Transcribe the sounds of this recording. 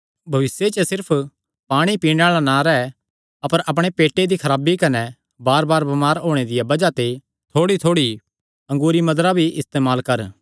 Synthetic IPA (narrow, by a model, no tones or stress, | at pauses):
bʱɐʋɪsjet͡ʃəsɪɾpʰ | paːɽ̃ipiːɽ̃eaːɭanãɾɛɛ | ɐpəɾʔɐp̬ɽ̃epeːʈːed̪ikʰɐɾaːbikɐnɛ | baːɾbaːɾbɐmaːɾɦoːɽ̃ed̪ɪjabɐd͡ʒat̪e | t̪ʰoːɽit̪ʰoːɽi | ɐ̃ŋɡuːɾimɐd̪ɾabʱiʔɪst̪eːmaːlkɐɾ